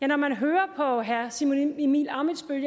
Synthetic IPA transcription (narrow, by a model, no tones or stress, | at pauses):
jænɒmænɦøːɐpʰɒ̽ɦæɐ̰simonimḭːlɑ̈ːmidsb̥øljə